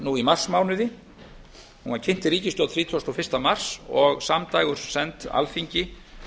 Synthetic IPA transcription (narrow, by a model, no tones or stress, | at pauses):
nuimar̥smaːwnʏðɪ | hunvaɾcʰɪn̥t̪ɪɾiːcɪst̪jowt̪θɾiːt̪ʰɔst̪ɔfɪr̥st̪amar̥sɔɣsamt̪aːjɣʏɾ̥sɛnt̪a̰lfiɲcɪ